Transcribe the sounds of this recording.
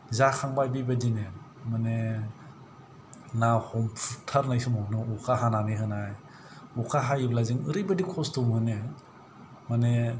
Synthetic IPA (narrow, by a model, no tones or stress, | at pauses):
zakʰaŋbajbibadine | mane | nahɔmpʰutʰaɾnajsumɔnɯukʰaɦananiɦɯnaj | ukʰaɦajiblazɯŋɯɾɯjbadikʰɔstumhɯne | mane